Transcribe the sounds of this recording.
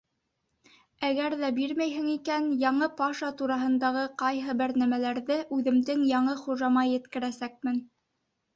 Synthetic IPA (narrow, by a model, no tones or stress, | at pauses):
æɡæɾðæbiɾmæjɦɘ̆ŋikænjɑɴɤpɑʃɑt̪uɾɑɦɤ̆nd̪ɑʁɤqɑjɦɤbɘɾnæmælæɾðɘʔʉðɘ̆md̪ɘŋjɑɴɤχuʒɑmɑjɘ̆t̪kɘ̆ɾæsæk̚mɘn